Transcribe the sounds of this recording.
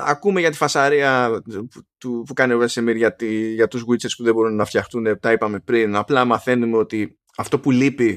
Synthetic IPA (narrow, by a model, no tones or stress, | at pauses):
ɐkume̞ʝɐt̪i̥fɐsɐɾiɐ | t̪upukɐnevesemiɾʝɐt̪iʝɐt̪uzɣwiseɾspuðebo̞ɾunːɐft̪çɐxt̪une̞t̪ɐipɐme̞pɾinɐplɐmɐθe̞nume̞o̞t̪i | ɐft̪o̞pulipi